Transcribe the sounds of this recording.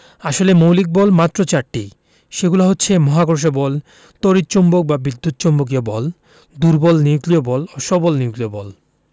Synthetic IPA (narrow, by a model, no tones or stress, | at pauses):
aʃolemowlik̚bɔlmat̪ːɾot͡ɕaɾʈːi | ʃeɡulaɦotːɕʰemɔɦaɡoɾʃ̬obɔl | t̪oɾit̪ːt͡ɕombok̚babid̪ʱːut̪̚t͡ɕombok̬iobɔl | d̪uɾbɔlniuɡliobɔloʃɔbɔlniuɡliobɔl